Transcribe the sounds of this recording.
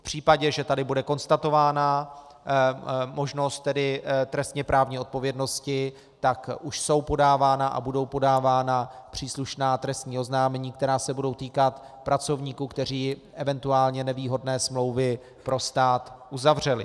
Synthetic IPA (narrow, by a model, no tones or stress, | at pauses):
pr̝̥iːpaɟɛʒɛt̪adɪbudɛko̞nst̪at̪o̞vaːna | mo̞ʒno̞st̪̚t̪ːɛdɪt̪ɾɛst̪ɲɛpɾaːvɲiːo̞t̪̚po̞vjɛdno̞scɪ | t̪akʔuʃso̞wpo̞daːvaːnaʔa̰budo̞wpo̞daːvaːnapr̥iːsluʃnaːt̪ɾɛst̪ɲiːʔo̞znaːmɛɲiːk̚t̪ɛɾaːsɛbudo̞wt̪iːkat̪ | pɾat͡so̞vɲiːkukt̪ɛr̝iːʔɛvɛnt̪uaːlɲɛnɛviːɦo̞dnɛːsmlo̞wvɪ | pɾo̞st̪aːt̪ʔuzavr̝ɛlɪ̰